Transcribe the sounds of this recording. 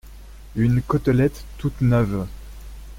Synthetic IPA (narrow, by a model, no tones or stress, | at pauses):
ynkɔt̪lɛt̪ːut̪nœv